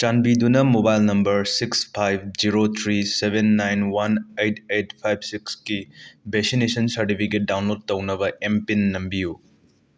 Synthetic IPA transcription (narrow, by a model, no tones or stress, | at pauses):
t͡ʃanbidunɐmobajlnɐmbɐɾsikspʰajb̚d͡ʒiɾot̪ʰɾisebʱenːajnwɐnejtʰejtpʰajb̚sikskibesinesɐnsɐɾʈipʰiket̚dawnlod̚ːɐwnɐbɐʔempinːɐmbiju